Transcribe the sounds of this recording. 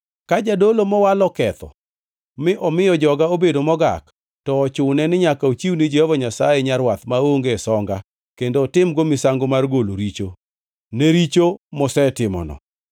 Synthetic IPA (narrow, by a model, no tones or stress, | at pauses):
kad͡ʒadolomɔwalɔkɛt̪ɔ̰ | mɪʔɔmɪjɔd͡ʒɔɡaobedomɔɡa̰k | tɔːt͡ʃʊnɛnɪɲakaot͡ʃiwnɪd͡ʒehɔvɔɲasajeɲaɾwat̪maoŋɡesɔŋɡa | kendotɪmɡomɪsaŋɡomarɡoloɾit͡ʃo | neɾit͡ʃomɔsɛtɪmɔ̰nɔ̰